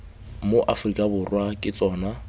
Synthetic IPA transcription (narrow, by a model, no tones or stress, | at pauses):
moʔafrikʼabʊrwakʼɪt͡sʼɔːna